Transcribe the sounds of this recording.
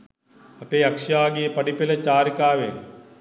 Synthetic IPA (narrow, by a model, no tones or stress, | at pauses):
ɐpeːɐkʂjaːɡijepɐɖipelət͡ʃaːɾikaːʋeŋ